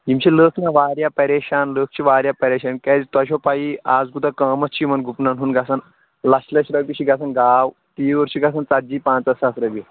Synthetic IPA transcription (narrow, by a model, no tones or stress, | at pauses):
ɦimɕiləːkʰnaʋaːɾjapɐɾeʃaːnləːk̚ʰt͡ʃʰiʋaːɾʲjapɐɾeːʃaːnkɛːd͡zt̪ɐɕ̬opajiaːd͡zɡud̪akaːmɐtt͡ʃʰimɐnɡʱupnanɦuːnɡasan | lɐɕlɐɕɾɐbiɕiɡasanɡaːw | t̪iːʋəɾɕiɡas̬ant͡sat̪̚d͡ʒiːpãːt͡sɐsasɾɐbi